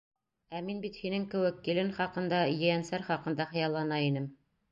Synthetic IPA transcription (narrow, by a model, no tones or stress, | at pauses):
æminbit̪hinɘŋkɘ̆wɘkːilɘnχɑqɤ̆nd̪ɑjɘ̆jænsæɾχɑqɤ̆nd̪ɑχɤ̆jɑlˠːɑnɑinɘm